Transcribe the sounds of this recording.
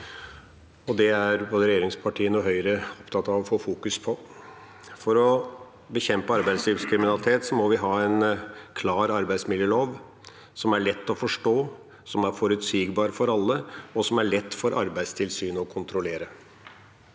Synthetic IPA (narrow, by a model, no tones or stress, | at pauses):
ɔd̪ɛæɾboːd̪əɾɛjeːɾɪŋspʰɑʈʰiːənuːɦœʏɾəɔpt̪ʰɑt̪ːɑʋɔfoːfuːkʉspʰɔ | fɔɾɔ | bəçɛmpəɑɾbæɪsliːʋskʰɾɪmɪnɑlɪt̪ʰeːt̪sɔmɔʋɪɦɑːæɪnkʰlɑːɾɑɾbæɪsmɪljəːloːʋ | sɔmæɭɛt̪ːɔfɔʂʈoː | sɔmæɾfɔɾʉt̪syːɡbɑːɾəfɔɾɑlːəɔsɔmæɭɛt̪ːfɔɾʔɑ̰ɾbæɪd̪st̪ʰɪlsyːnɔkʰʊnt̪ɾʊleːɾə